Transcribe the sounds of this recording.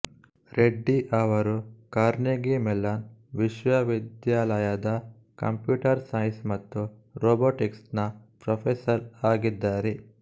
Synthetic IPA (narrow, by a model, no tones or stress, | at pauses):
ɾeɖːiʔɐʋɐɾukaːɾneːɡimɛlːaːnʋiʃʋɐʋid̪jaːlɐjad̪ɐ | kɐ̰mpjuːʈɐɾsɐjnsmɐt̪ːuɾoːboːʈiksʈnɐpɾɐpʰesɐɾaːɡid̪ːaːɾe